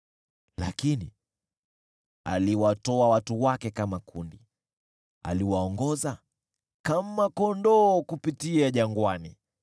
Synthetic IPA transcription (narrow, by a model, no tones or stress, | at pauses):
la̰kinḭ | a̰liwatɔawatuwakɛkamakundi | a̰liwaɔŋɡɔza | kamakɔndɔːkupitiaʄaŋɡwani